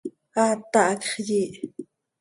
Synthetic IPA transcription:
at̪aʔkχjiʔ

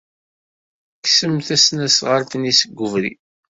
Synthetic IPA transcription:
ksəmθæsnæsʁəɾt̪nisəɡʷːəvɾḭ

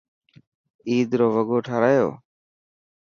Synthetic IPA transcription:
iːd̪ɾoːʋəɡoːʈʰaːɾaːjo̰ː

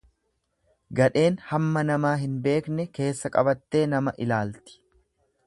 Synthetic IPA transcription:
ɡɐᶑe̞ːnhɐmːɐnɐmaːɦɪnbe̞ːknɛke̞ːsːɐkʼɐbɐt̪ːe̞ːnɐmɐʔɪlaːlt̪ɪ̥

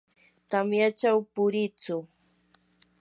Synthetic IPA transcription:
t̪amjat͡ʃawpʊɾɪt͡sʊ

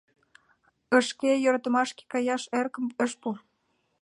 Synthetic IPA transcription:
ə̆ʃkejøɾɑt̪ə̆mɑʃke̥kɑjɑʃerkə̆məʃpu

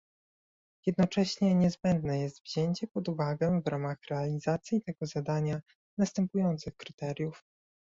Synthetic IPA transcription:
jɛd̪nɔt͡ʂɛɕɲɛɲɛzbɛnd̪nɛjɛst̪vʑeɲt͡ɕɛpɔd̪uvaɡɛvɾʔamaxɾɛalʲizat̪sʲjit̪ɛɡɔzad̪aɲa | nast̪ɛmpujɔnt̪sɘxkɾɘt̪ɛɾʲjuf

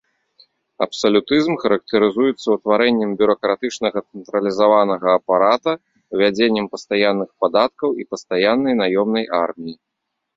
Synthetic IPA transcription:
ɐ̰psɐlʲut̪ɨzmxɐɾɐk̚t̪ɐɾɨzujɛt̪sːɐwt̪vaɾɛnʲːɛmbʲuɾɐkɾat̪ɨt͡ʂnɐɣɐt̪sɛnt̪ɾɐlʲizavanɐɣɐːpaɾat̪ɐ | vʲad͡zʲenʲːɛmpɐst̪ajanːɨxpad̪at̪̚kɐwipɐst̪ajanːɐjnajɔmnɐjʔarmʲiji

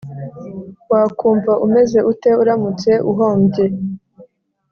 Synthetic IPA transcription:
wakuːɱvaʔume̞ze̞ʔute̞uɾamut͡se̞ʔuɦoːmbɟe̞

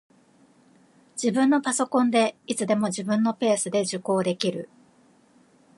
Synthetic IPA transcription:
d͡ʑ̥ibɯ̟̃nːo̞paso̞kõ̞nd̪e̞it͡sɨd̪e̞mo̞ʑibɯ̟̃nːo̞pe̞ːsɨd̪e̞ʑɨko̞ːd̪e̞kʲiɾɯ̟

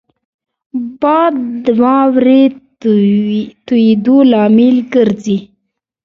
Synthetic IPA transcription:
bɑd̪d̪wɑwɾe | t̪uid̪olɑmɪlɡəɾzi

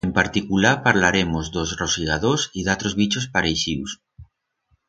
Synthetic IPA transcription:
empaɾt̪ikulaɾpaɾlaɾe̞mo̞zðo̞zrosiɣað̞osiðat̪ɾo̞zβit͡ʃospaɾeʃiws

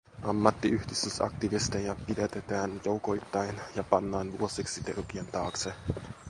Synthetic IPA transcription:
ʔɑmːɑt̪ːiʔyhdist̪ysɑ̰k̚t̪iʋist̪enjɑpidet̪et̪æːnjouwkojt̪ːɑjnjɑpɑnːɑːnʋuosiksit̪ḛrkient̪ɑːkse

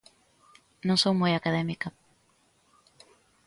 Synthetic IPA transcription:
nõŋsowmojakaðɛmika

